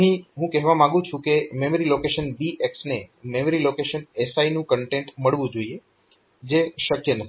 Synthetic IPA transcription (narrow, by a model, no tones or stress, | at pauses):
ɦĩɦũkɛɦʋamãŋɡũt͡ʃʰũkememəɾilokeʃənbiʔeksnememəɾilokeʃənesainũkəɳʈeɳʈməɭʋũd͡ʒoie | d͡ʒeʃəkjənət̪ʰi